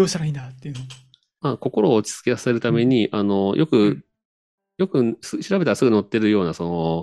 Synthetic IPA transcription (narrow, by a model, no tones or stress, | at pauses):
oːsaɾaĩnd̪at̪ːejɯ̟no | ako̞ko̞ɾo̞ːt͡si̥ɨ̥t͡sɨ̥kʲeasase̞ɾɯ̟t̪ame̞ɲ̟iʔano̞jʔo̞kɯ̟ | jo̞kɯ̟sɨɕiɾabet̪aɾasɨɡɯ̟no̞t̪ːe̞ɾɯ̟jo̞ːnaso̞no